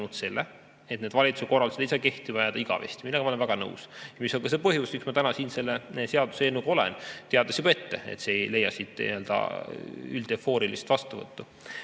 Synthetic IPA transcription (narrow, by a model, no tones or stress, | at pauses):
nut̪se̞lːe | e̞t̪̚neːd̪vɑlʲit̪suko̞rːɑlseeiseke̞ht̪ivɑjɑd̪̥ɑiɡ̥ɑ̰vḛst̪iminɑɡɑmoenvæɡ̥ɑnɤ̰wsjɑmiso̞lɡɑse̞pɤɦjusmiksmɑt̪ænɑsiːnse̞lːese̞ɑd̪̥useenːuɡ̥ɑo̞lḛnt̪eɑd̪ɑsib̥ɑe̞t̪ːe̞ḛt̪seejle̞jɑsit̪ˑːøld̪̥ɑ̰ | yld̪̥efo̞ːɾilist̪vɑst̪uvɤ̰t̪ːu